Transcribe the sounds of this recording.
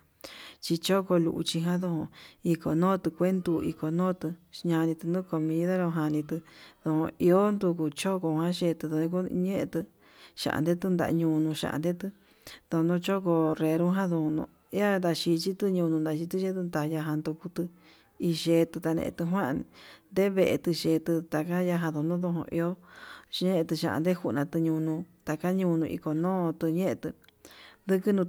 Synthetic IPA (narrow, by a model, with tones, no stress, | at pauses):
t͡ʃi˧t͡ʃo˦ko˧lṵ˧ʔṵ˧t͡ʃi˧ɦã˦ðo˧hõ˧i˧ko˧˨nõː˦t̪ɨ˧kʷe˦nd̪u˧ḭ˧ko˧nõː˦t̪ɨ˧ɲã˧nĩ˧t̪ɨ˧nd̪ũ˦˧ko˧mĩ˧ða˦ɾõ˧ɦã˧nĩ˧t̪ɨ˧ðõ˧hõ̰˧i˧o˦nd̪u˧ku˧t͡ʃo˦ko˧hã˦ʃe˧t̪ɨ˧ðõ˧ĩ˧ku˦ɲẽ˦ʔẽ˧t̪ɨ˧ | ʃã̰˧ʔa̰˧nd̪e˦t̪ɨ˦nd̪a̰˧ʔɲũ˧nũ˧ʃa̰˧ʔa̰˧nd̪e˦t̪ɨ˧ | ðo˧nõ˧t͡ʃo˦ko˧re˧ɾũ˦ɦã˦ðõ˧nṵ̃˧˦a˦nd̪a˧ʃi˧t͡ʃi˦t̪ɨ˧ɲũ˧nũ˧nd̪a˧ʃi˧t̪i˦ʃe˦t̪ɨ˧nd̪a˧ja˧ɦã˧nd̪u˧ku˧t̪ɨ˧ | i˧ʃe˧t̪ɨ˧t̪a˧nḛ̃˧ʔt̪ɨ˧ɦwã˦˧nd̪e˦βe˧˨ʔe˧t̪ɨ˧ʃeː˧t̪ɨ˧t̪a˧ka˦ja˧ɦã˧ðo˧nũ˦ðo˧ɦõ̰˧ʔḭ˧o˦˧˦ | ẽ˦˧t̪ɨ˧ʃã̰˧ʔã̰˧nd̪e˦hu˧nã˧t̪ɨ˧ɲũ˧nũ˧t̪a˧ka˦ɲũ˧nũ˧ʔḭ˧ko˧nõː˦t̪ɨ˧ɲẽ˦ʔẽ˧t̪ɨ˧d̪ɨ˧kɨ˦nũ˧